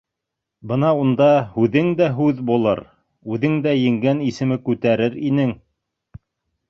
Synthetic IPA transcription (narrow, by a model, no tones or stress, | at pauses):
bɤnɑund̪ɑhʉðɘŋd̪æɦʉðbulˠɤ̰ɾ | ʉðɘŋd̪æjɘ̆ŋɡænisɘ̆mɘkʉt̪æɾɘɾinɘŋ